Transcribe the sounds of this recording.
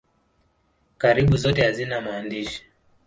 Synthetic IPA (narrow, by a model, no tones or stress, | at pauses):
kaɾiɓuzɔtɛhazinamaːndiʃi̥